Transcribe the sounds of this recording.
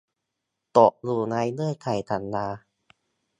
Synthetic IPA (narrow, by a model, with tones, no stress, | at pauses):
t̪ɔ˨˩ʔluː˧˩naː˧jnɯ˥˩əjkʰa˨˩jt̪ʰa˨˦nːaː˧